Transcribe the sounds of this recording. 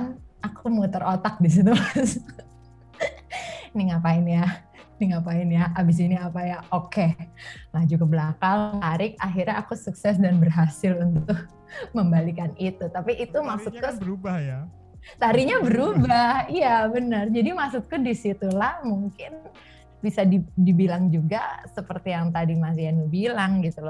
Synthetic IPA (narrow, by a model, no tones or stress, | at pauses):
nakʰumut̪ərʔot̪ak̚dis̬inimasʊ | nɪŋapaɪnja | nɪŋapaɪnjaabɪs̬iniapajaʔokelad͡ʒukəbəlakalŋaɾɪk̚aɦirɲaaːkusuksɛsdanbərɦasɪlunt̪ʊk̚ | məmbalikanit̪ut̪apiʔːt̪umaksut̪̚kʊubaja | t̪aɾiɲabəɾubahijabənərd͡ʒadimaksut̪̚kʊdisit̪ulahmuŋkɪn | bisadidibilaŋd͡ʒuɡasəpərt̪ijaŋt̪adimas̬ianubilaŋɡit̪ula